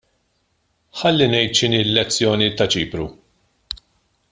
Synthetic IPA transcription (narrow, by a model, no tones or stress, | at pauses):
ħɐlːinɛjt̪ʃɪniːlːɛt͡sːjɔːnit̪ɐt͡ʃiːpɾu